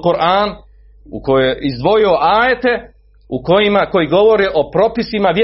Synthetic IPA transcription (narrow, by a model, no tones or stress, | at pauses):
quɾʔaːn | ṵko̞joizd̪ʋo̞jio̞ʔaːjet̪e̞ | uko̞jimako̞jiɡo̞ʋo̞ɾiʔo̞pɾo̞pisimaʋje